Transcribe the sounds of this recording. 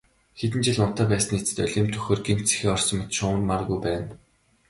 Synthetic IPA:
xet̪̬ɘ̆nt͡ɕɪ̆ɮʊn̥t̪œːpæːsə̆nit͡sɘ̥t̪œ̰ɮʲiːmt̪ʰɵ̥xoːrɡin̥t̪t͡se̥xiːɔrsɞ̆mʰt̪ʃʊːrmarɣujpæːn

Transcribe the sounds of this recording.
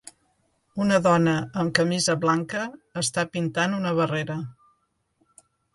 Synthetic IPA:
unəðɔnəːmkəmizəβlaŋkəːst̪apint̪anunəβəreɾə

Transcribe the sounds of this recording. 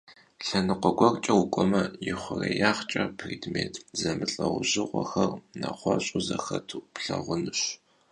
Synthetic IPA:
ɬɐnɨqʷɔɡʷɔrt͡ʃʼɐʊkʷʼɔmɐjɪχʷʊrejaːχt͡ʃʼɐpʰriːdmeːtʰzɐmɨɬʼɐʁʷʊʑɪʁʷɔxɐrnaχʷɔɕʼʊzɐxɐtʰupɬɐʁʷʊnɨɕ

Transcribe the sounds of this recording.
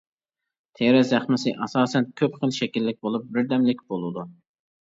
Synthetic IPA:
t̪ʰeɾɛzæχmɪsɨʔɑsɑːsɛnkʲʰøpχəlˠʃɛkʲilːɪk̚ʲbolˠup̚bɪɾd̪ɛmlɪkʲb̥olˠud̪u

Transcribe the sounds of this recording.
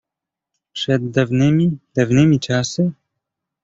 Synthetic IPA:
pʂɛd̪ːavnɘmʲid̪avnɘmʲit͡ʂasɘ

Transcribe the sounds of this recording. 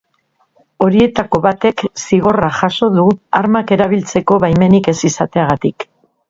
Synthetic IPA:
o̞ɾie̞t̪ako̞βat̪e̞ksiɣ̞o̞raxaso̞ðuaɾmake̞ɾaβ̞ilt͡se̞ko̞βajme̞nike̞sisat̪e̞aɣ̞at̪ik

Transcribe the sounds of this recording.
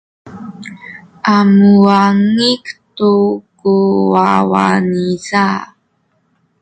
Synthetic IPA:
ʔamuaŋiktukuwawa̰niza

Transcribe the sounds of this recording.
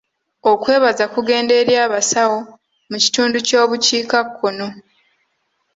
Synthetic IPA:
o̞kwe̞ːβazakuɡe̞ːnde̞ɾjaːβasawo̞ | muci̥tuːnduco̞ːβuciːkakʰːo̞no̞

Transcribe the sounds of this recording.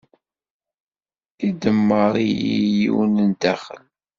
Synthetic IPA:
θid̪əmːəɾˤiijḭwnənd̪æχə̰l

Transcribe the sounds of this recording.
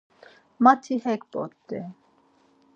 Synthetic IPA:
mat̪ʰihɛkpʼɔ̰t̪ːɛ

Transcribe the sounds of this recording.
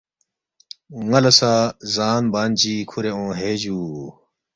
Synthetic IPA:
ŋɐlɐsazaːnbaːnt͡ɕiːkʰuɾeõːɦeːd͡ʑuː

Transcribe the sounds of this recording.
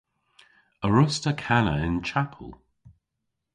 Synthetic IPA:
əɹʊstəkʰanəɪ̃nt͡ʃʰapʰəlˠ

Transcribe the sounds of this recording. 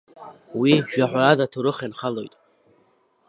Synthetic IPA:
wiʒᶣaħʷaɾadatʰuɾɨχanχalo̞jtʼ

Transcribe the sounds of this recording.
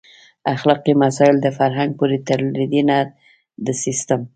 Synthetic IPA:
axlɑqimasɑɪld̪əfaɾɦaŋɡ̚puɾit̪əɾɾid̪ina | d̪əsist̪əm

